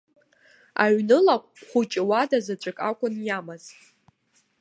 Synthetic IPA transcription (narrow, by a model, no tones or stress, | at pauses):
a̰ɥnɨlakʷʼχʷut͡ʃʼɪwadazat͡ɕʷʼakʼakʷʼʊnjamaz̥